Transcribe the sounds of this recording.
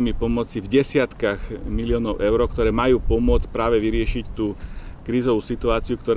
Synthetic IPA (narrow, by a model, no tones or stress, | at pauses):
mipɔmɔt͡sivɟɛsɪat̪kaɣmilɪɔːnɔʊʔɛʊɾɔkt̪ɔɾɛːmajuːpɔmʊɔt͡scpɾaːʋɛʋiɾɪɛʃict̪uːkɾiːzɔʋuːsit̪uaːt͡siukt̪ɔɾ